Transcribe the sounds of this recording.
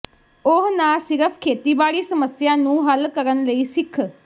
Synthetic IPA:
ʊɦnaːsɪɾəpʰkʰeːt̪iːbaːɽiːsəməsjãːnũːɦəlkəɾənləiːsɪkʰ

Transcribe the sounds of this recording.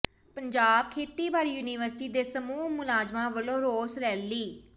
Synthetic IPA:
pəɲd͡ʒaːb̚kʰeːt̪iːbaːɽiːjuːniːʋəɾsʈiːd̪eːsəmuːɦmʊlaːzmãːʋəlõːɾoːsɾɛːliː

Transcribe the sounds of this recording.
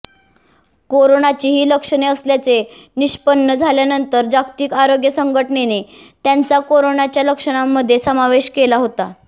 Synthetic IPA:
koɾonat͡ɕiːɦiːləkʂəɳeəsljat͡seniɕpənːəd͡zʱaljanənt̪əɾd͡ʑakt̪iːkaɾoɡjəsəŋɡʱəʈnene | t̪jant͡sakoɾoɳat͡ɕjaləkʂəɽ̃amːəd̪ʱjesəmaʋeɕkelaɦot̪a

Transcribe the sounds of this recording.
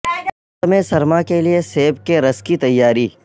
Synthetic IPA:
mẽsɐɾmakelieseːbkeɾɐskit̪ɐjːaːɾiː

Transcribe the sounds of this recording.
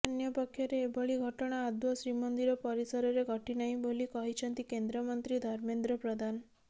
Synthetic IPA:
anjɔpɔkʰːjɔɾeːbɔɭiɡʱɔʈɔɽ̃aːd̪mɔsɾimɔnd̪iɾɔpɔɾisɔɾɔɾeɡʱɔʈinaɦĩbolikɔɦit͡ʃʰɔnt̪ikend̪ɾɔmɔnt̪ɾid̪ʱɔɾmend̪ɾɔpɾɔd̪ʱan

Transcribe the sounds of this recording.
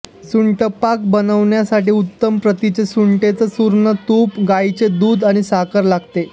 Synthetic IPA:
suɳʈəpak̚bənəʋɳjasaʈiːut̪ːəmpɾət̪it͡sesuɳʈet͡səsuɾɳət̪upɡait͡sed̪uːd̪aɽ̃isakəɾlaɡt̪e

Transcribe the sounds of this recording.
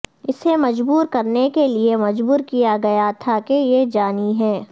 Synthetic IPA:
ɪsemɐd͡ʒbuːɾkɐɾnekeliemɐd͡ʒbuːɾkijaɡɐjat̪ʰakejed͡ʒaːniɦɛː

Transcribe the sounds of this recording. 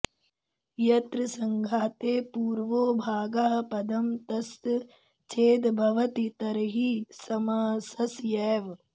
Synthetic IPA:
jɐt̪ɾɐsɐŋɡʱaːt̪eːpuːɾʋoːbʱaːɡɐɦɐ̆pɐd̪ɐmt̪ɐst̪ | t͡ʃʰeːd̪bʱɐʋɐt̪it̪ɐɾɦisɐmaːsɐsjɛːʋ

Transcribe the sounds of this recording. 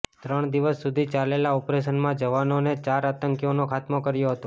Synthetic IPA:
t̪ɾəɳ̃d̪iʋəsːud̪ʱit͡ʃalelaɔpɾeʃənmãd͡ʒəʋanonet͡ʃaɾat̪əŋkjonokʰat̪mokəɾjoɦət̪o

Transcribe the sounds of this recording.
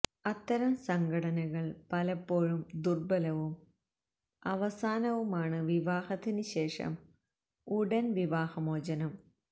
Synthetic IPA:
ɐt̪ːɐɾɐmsɐŋɡʱɐɽɐnɐɣɐɭpɐlɐpːo̞ːɻumd̪urbɐlɐʋum | ɐʋɐsaːnɐʋumaːɳɨʋiʋaːhɐt̪ːinɨɕe̞ːʂɐ̰m | uɽɐnʋiʋaːhɐmoːd͡ʑɐnɐm

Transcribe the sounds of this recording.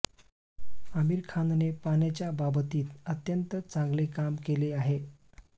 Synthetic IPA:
əmiːɾkʰand̪nepaɳjat͡ɕjababət̪iːt̪ət̪jənt̪ət͡sãŋɡlekamkeleaɦe

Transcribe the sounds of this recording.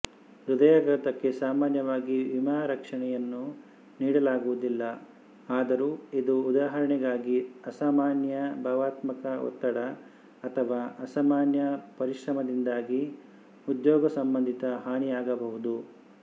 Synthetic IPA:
ɾud̪ɐjaɡɐɾɐt̪ɐkːe̞saːmaːnjɐʋaːɡiʋimaːɾɐkʂɐɳɛjɐnːu | niːɽɐlaːɡuʋud̪ilːɐ | aːd̪ɐɾuːid̪uːd̪aːɦɐɾɐɳɛɡaːɡiɐsaːmaːnjɐbʱaːʋaːt̪mɐkɐɔ̰t̪ːɐɽɐ | ɐt̪ʰɐʋaːʔɐsaːmaːnjɐpɐɾiʂɾɐmɐd̪ind̪aːɡi | ud̪jɔːɡɐsɐmbɐnd̪ʱit̪ɐɦaːɳijaːɡɐbɐɦud̪u

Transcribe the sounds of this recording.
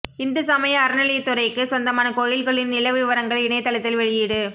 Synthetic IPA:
ɪnd̪ɐsɐmɐjɐːɾɐnɐlɪjɐt̪ːʊɾɐɪkːɯsɔnd̪ɐmaːnɐkoːjɪlɣɐɭɪnnɪlɐʋɪʋɐɾɐŋɡɐɭɪnɐɪt̪ːɐɭɐt̪ːɪlʋɛɻɪjɪɽɯ

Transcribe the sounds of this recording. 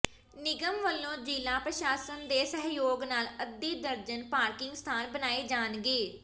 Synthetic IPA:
nɪɡəmʋəlːõːd͡ʒiːlaːpɾəʃaːsənd̪eːsəɦjoːɡnaːləd̪ːiːd̪əɾd͡ʒənpaːɾkɪŋɡst̪ʰaːnbənaːeːd͡ʒaːnɡeː

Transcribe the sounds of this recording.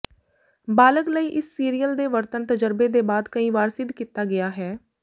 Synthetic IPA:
baːləkləiːʔɪsːiːɾijəld̪eːʋəɾt̪ənt̪əd͡ʒəɾbeːd̪eːbaːd̪kəĩːʋaːɾsɪd̪kiːt̪aːɡɪjaːɦɛː

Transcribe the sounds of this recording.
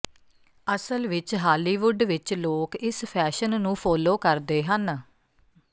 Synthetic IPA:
əsəlʋɪt͡ʃɦaːliːʋʊɖʋɪt͡ʃloːkɪspʰɛːʃənnũːpʰɔːloːkəɾd̪eːɦən

